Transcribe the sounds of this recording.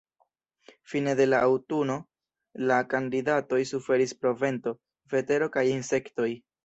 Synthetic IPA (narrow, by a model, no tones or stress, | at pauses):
fine̞de̞laʔawtuno̞ | lakandidato̞jsufe̞ɾispɾo̞ve̞nto̞ | ve̞te̞ɾo̞kajinse̞kto̞j